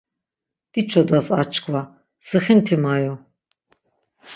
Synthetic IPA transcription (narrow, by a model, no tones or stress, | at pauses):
d̪̥it͡ʃʰɔd̪asa̰t͡ʃʰkʰva | səχint̪ʰimajɔ